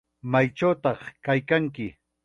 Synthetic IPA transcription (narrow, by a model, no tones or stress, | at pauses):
majʈ͡ʂawt̪ɑχkajkaŋkɪ